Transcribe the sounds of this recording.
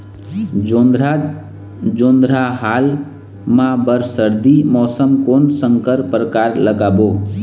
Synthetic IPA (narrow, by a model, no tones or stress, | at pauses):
o | d͡ʒond̪ɾaɦal | mãbəɾsəɾd̪imɔːsəmkonsəŋkəɾpɾəkaɾləɡabo